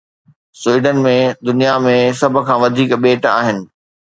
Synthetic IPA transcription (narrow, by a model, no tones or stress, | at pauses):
swiːɖənmẽd̪ʊnijamẽsɐbʱʊ̆kʰãːʋɐd̪ʱiːkɓeːʈa̰ːɦɪnɪ̆